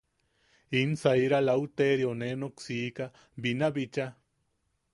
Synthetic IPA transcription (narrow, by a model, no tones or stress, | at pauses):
insajɾalawt̪eɾjonenoksiːka | binabit͡ʃa